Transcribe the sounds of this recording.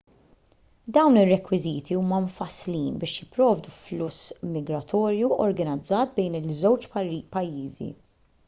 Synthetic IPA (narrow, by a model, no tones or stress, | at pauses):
d̪ɐwnɪrːɛkwɪziːt̪ʰiuːmɐɱfɐsliːnbɪːʃjɪpɾɔːvd̪uflʊsmɪɡɾɐt̪ʰɔːɾjuɔɾɡɐnɪd͡zːɐːt̪̚bɛjnɪlzɛwt͡ʃpɐjːiːzḭ